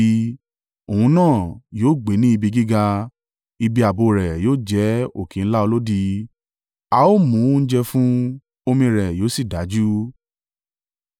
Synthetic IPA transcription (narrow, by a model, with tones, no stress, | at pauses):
o˨ũ˧˦nãː˦˨joː˦˨ɡ͡be˨˦nĩ˦i˧bi˧ɡi˦ɡa˧ | i˧bi˧a˨bo˧˨ɾɛ˨joː˦˨d͡ʒɛ˨˦o˨kĩ˨˦n̩˦la˦o˧lo˦di˧ | a˧o˦˨mũ˨˦n̩˦d͡ʒɛ˧fũ˦ | o˧mĩ˧ɾɛ˨joː˨˦si˦˨da˨˦d͡ʒu˦